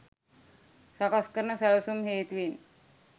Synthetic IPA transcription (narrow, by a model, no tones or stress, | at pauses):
sakaskəɾnəsaɭsumɦeːt̪ʋiːn